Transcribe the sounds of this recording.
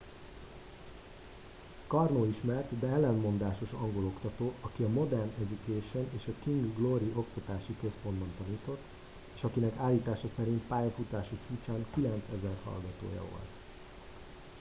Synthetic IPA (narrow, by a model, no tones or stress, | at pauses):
kɒrnoːiʃmɛrt̪d̪ɛɛlːɛnmo̞nd̪aːʃo̞ʃɒŋɡo̞lo̞kt̪ɒt̪oːʔɒkiɒmo̞d̪ɛrnɛɟukeːʃo̞neːʃɒkiŋɡɡloɾiʔo̞kt̪ɒt̪aːʃikøspo̞nd̪bɒnt̪ɒniːt̪o̞t̪ː | eːʃɒkinɛkaːlːiːt̪aːʃɒsɛɾint̪paːjɒfut̪aːʃut͡ʃuːt͡ʃaːŋkilɛnt̪sɛzɛrhɒ̰lɡɒt̪o̰ːjɒ̰vo̞̰lt̪